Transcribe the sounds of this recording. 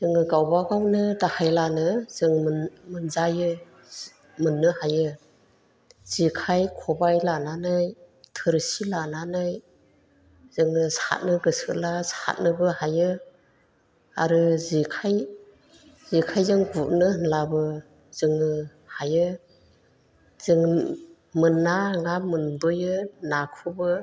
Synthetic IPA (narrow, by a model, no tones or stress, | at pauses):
zɯŋɯɡawbaɡawnɯdahajlanɯzɯŋmmɯnzajɯ | mɯnːɯhajɯ | z̥ikʰajkʰɔbajlananɯj | tʰɯɾsilananɯj | z̥ɯŋnɯsa̰t̚nɯɡɯsɯ̰ʔlasa̰t̚nɯbɯhajɯ | aɾɯzikʰaj | zikʰajzɯŋɡuʔnɯhnlabɯ | z̥ɯŋɯ | hajɯ | zɯŋ | mɯnːaŋamɯndɔjɯnakʰubɯ